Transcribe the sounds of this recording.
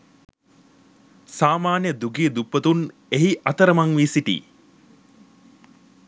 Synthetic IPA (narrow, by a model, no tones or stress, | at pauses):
saːmaːnjəd̪uɡid̪upːət̪un | eɦiʔɐt̪əɾəmaŋʋisiʈḭː